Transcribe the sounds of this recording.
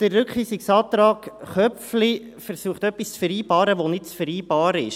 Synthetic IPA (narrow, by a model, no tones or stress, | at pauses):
d̥ərːʏkχiːsɪksɑːt̪ɾɑːkχœfli | fəɾsuəχtœpːist͡sfəɾiːbɑːɾəʋonɪtt͡sfəɾiːbɑːɾɪʃ